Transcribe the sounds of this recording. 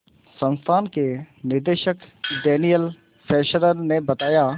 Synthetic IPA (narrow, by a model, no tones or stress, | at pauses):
sɐ̃nst̪ʰaːnkenɪɾd̪eːʃəkd̪ɛːnijəl | fɛːʃəɾənnebɐt̪aːja